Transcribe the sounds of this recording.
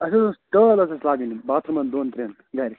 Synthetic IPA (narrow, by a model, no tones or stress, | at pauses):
ɐsɐsɐsʈəːlɐsɐslaːɡinibaːt̪ʰɐmɐnd̪oːnt̪ɾeːn | ɡaːɾi